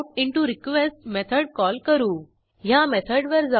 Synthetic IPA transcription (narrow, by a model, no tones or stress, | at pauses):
ʈɪ̃ɳʈuɾɪkʋesʈmɛt̪ʰəɖ̚kɔːlkɐɾuː | jãmɛt̪ʰəɾɖʋəɾzɐ